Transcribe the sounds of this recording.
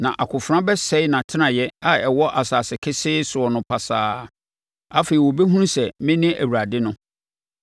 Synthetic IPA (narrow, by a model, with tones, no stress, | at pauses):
nã˨ʔa˨kʰʊ˨fɾã˦bɛ˦sɛ˦ɪ˦nã˨tʰɪ˦nã˨jɛ˦a˨ɛ˨wɔ˦ʔa˨saː˨sɪ˨kʰɪ˦sɪː˦sʊ˨ɔ˨nʊ̃˨pʰa˨saː˨˦ | a˦fe˨i˨wɔ˨be˦ɦũ˦n˦sɛ˨mɪ̃˦nɪ̃˦æ̰˨wu˨ɾa˨dɪ˦nʊ̃˦